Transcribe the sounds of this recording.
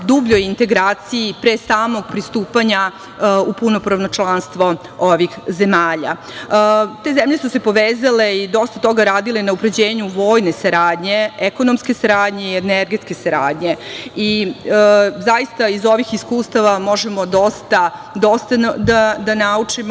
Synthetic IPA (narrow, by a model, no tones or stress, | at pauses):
d̪ubʎojint̪e̞ɡɾaːt̪sijipɾesaːmo̞ɡ̚pɾist̪uːpaɲa | upuno̞pɾaʋnot͡ʃlˠanst̪ʋo̞ | oʋixze̞maːʎa̰ | t̪e̞zemʎe̞suse̞po̞ʋeːzale̞id̪o̞st̪at̪o̞ɡaɾaːd̪ilenaupɾed͡ʑeːɲuʋo̞ːjne̞saɾaːd̪ɲe̞eko̞nomske̞saɾaːd̪ɲeieneɾɡet̪ke̞saɾa̰ːd̪ɲei | zajist̪aizo̞ʋixiskuːst̪aʋamo̞ʒemo̞d̪o̞st̪ad̪o̞st̪ad̪ad̪anaut͡ʂim